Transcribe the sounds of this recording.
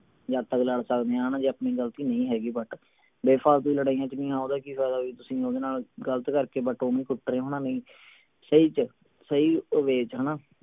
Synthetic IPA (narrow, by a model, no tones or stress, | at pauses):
d͡ʒaːt̪əɡləɽsəkd̪eːãːɦənãːd͡ʒeːəpniːɡəlt̪iːnəĩːɦɛːɡiːbəʈ | beːpʰaːlt̪̬ʊiːləɽaːijãːt͡ʃnĩːaːod̪aːkifʰɛːd̪aːʋiːt̪ʊsĩːoːd̪eːnaːlɡələt̪kəɾkeːbəʈoːnĩːkʊʈːɾeːɦoːnãːnəĩː | səiːt͡ʃ | səiːʋeːt͡ʃɦəːnãː